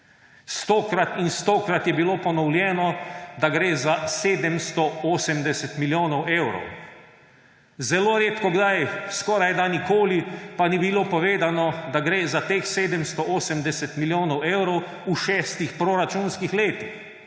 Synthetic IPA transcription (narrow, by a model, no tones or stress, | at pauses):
st̪oːkɾat̪inst̪oːkɾat̪jɛbiloːpɔnɔwljɛːnɔd̪aɡɾeːzaseːd̪ɛmst̪ɔoːsɛmd̪ɛsɛt̪miljoːnɔweːwɾɔ̰w | zɛloːɾeːt̪kɔɡd̪ajskɔːɾajd̪anikoːlipanibilopɔʋeːd̪anɔd̪aɡɾeːzat̪eːxseːd̪ɛmst̪ɔʔoːsɛmd̪ɛsɛt̪miljoːnɔweːwɾɔw | uʃɛːst̪ixpɾoɾat͡ʃunskixleːt̪ix